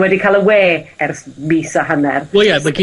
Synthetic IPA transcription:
wɛdikʰaːlˠəweːɛrsmiːsaɦanɛ̰rwojamaɡi

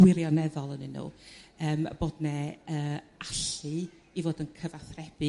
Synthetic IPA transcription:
wɪɾjɔnɛðɔlˠənɨnṵːəːmə̰b̥oːdnɛəːaɬɨ | ivoːdənkʰəvaθrɛb̥ɨ

